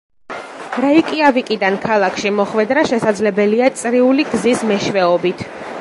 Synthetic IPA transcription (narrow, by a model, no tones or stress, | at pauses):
ɾaikʼiavikʼid̪ankʰalˠakʰʃimɔχwɛd̪ɾaʃɛsad̪zlɛbɛliat̪sʼɾiuliɡzismɛʃvɛɔbit̪ʰ